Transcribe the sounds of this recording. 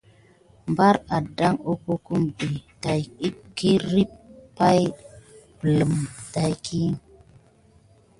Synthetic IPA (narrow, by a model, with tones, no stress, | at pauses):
mba˦ɾa˨da˦ŋo˦ku˦ku˦mbi˨ta˨ji˦ki˦ɾi˦ppːa˦j | bə˨lə˨mta˨jkʰi˦